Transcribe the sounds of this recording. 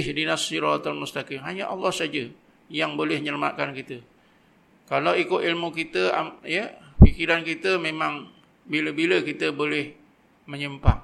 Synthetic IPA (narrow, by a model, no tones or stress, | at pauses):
hdinasiɾɔat̪almust̪akɪmɦaɲəʔɑlːɔhsad͡ʒə | jaŋbolɛhɲələma̰ʔkankit̪ə | kalawikʊt̪ilmukit̪əajəfikiɾankit̪əmemãŋ | biləbiləkit̪əbolɛh | məɲəmpa̰ŋ